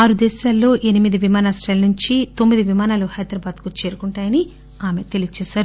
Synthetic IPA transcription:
aːɾud̪ɛːʃaːlːo̞ːʔe̞nimid̪iʋimaːnaːsʈɾɐjlɐnuɲt͡ʃit̪o̞mːid̪iʋimaːnaːluhɐjd̪ɾɐbaːd̪kut͡ʃe̞ːɾukuɳʈaːjɐni | aːme̞t̪e̞lit͡ʃɛːʃaːɾu

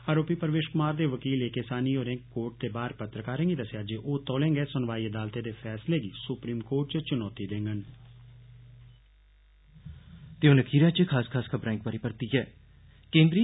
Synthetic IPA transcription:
aːɾoːpiːpəɾəʋeːʃkʊmaːɾd̪eːʋəkiːleːkesaːniːoːɾẽːkːoːɾʈ̚t̪eːbaːɾpət̪ɾəkaːɾẽːŋɡiːd̪əseaːd͡ʒeːʔoːt̪ɔːlẽːŋɡeːsʊnʋaːiːəd̪aːlt̪eːd̪eːfʰɛːsleːɡiːsʊpɾiːmkoːʈt͡ʃət͡ʃʊnɔːt̪iːd̪ẽːŋɡən | t̪eːʊnəkʰiːɾaːt͡ʃəkʰaːskʰaːskʰəbɾãːŋk̚pəɾɪpəɾt̪iːɛː | kẽːnd̪ɾiː

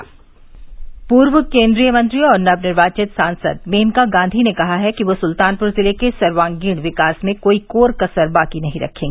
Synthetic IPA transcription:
puːɾʋəkẽːnd̪ɾijəmɐ̃nt̪ɾiɔːɾnɐbnɪɾʋaːt͡ʃɪt̪sãːnsə̰d̪̚meːmkaɡãːnd̪ʱinekɐɦaɦɛkiʋosʊlt̪aːnpʊɾzɪlekesɐɾʋaːŋɡiːɽ̃ʋɪkaːsmẽkoːikoːɾkɐsəɾbaːkinɐɦĩɾɐ̰kʰẽːɡeː

